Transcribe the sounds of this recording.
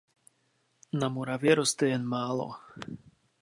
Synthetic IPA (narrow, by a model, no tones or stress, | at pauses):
namɔɾavʲjɛɾɔst̪ɛjɛnmaːlˠɔ̰